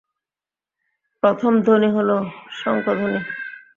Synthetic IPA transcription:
pɾot̪ʰomd̪ʱoniɦoloʃɔŋkʰod̪ʱoni

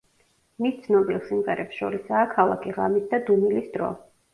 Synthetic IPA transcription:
mist̪sʰnɔbilˠsimqʼɛ̰ɾʔɛpsʃɔ̰ɾisaːkʰalˠa̰kʰiʁa̰misd̪ad̪unilisd̪ɾɔ̰

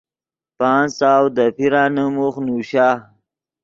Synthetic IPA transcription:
pɑːnsawd̪əpiɾaːnəmuxnuɕaː

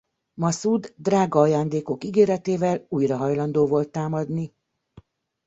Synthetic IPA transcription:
mɒsud̪ːraːɡɒːjaːnd̪eːko̞kiɡeːɾɛt̪eːvɛluːjrɒɦɒjlɒnd̪oːvo̞lt̪ːaːmɒd̪ni

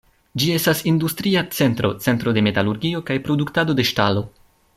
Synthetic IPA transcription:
d͡ʒie̞stasindustɾiat͡se̞ntɾo̞t͡se̞ntɾo̞de̞me̞taluɾɡio̞kajpɾo̞duktado̞de̞ʃtalo̞

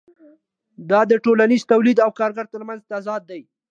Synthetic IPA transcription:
d̪ɑd̪əʈolaniz̥t̪awlid̪awkɑɾɡaɾt̪əɾmanzt̪azɑd̪̚ːaj

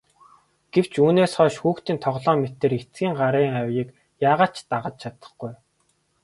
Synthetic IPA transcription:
ɡ̥ew̥t͡ɕʰuːneːsχɔːʃxuːxt̪iːnt̪ʰɔʁɮɔːmet̪ĕːɾet͡sɡiːŋɢaɾiːŋæwʲiːk | jaːʁaːt͡ɕt̪aʁə̆t̪̚t͡ɕʰat̪ə̥̆χɡuj

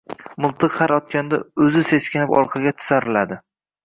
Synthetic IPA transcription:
mʊlˠt̪ʰɨqhaɾɒt̪̚kʲand̪a̰ɵzɪse̞skʲanɪpɒ̰ɾqʰɑɡʲat̪ʰɪ̥saɾɪlad̪ɪ

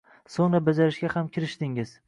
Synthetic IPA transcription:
soŋɾabad͡ʒaɾɪʃɡʲahamkʲʰɪɾɪʃd̪ɪŋɪz̥

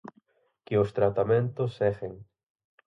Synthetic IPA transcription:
kɪʊst̪ɾat̪amẽnt̪ʊsːɛɣeŋ

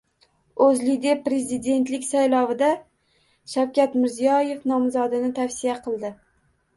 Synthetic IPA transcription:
ɵzlid̪e̞pːɾe̞zid̪e̞nt̪lɪkʲsajlˠɒvɪd̪a | ʃawkʲat̪mɪɾzijɒje̞fnɒmzɒd̪ɪnɪt̪ʰafsijaqʰɨlˠd̪ɪ

